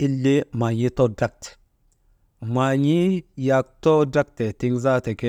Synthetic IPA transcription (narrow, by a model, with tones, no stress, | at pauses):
i˦lːi˦ma˨ɲi˦to˦da˦k̚t | ma˨ɲi˦ja˨k̚to˦da˦k̚te˨ti˦ŋza˦te˨ke˦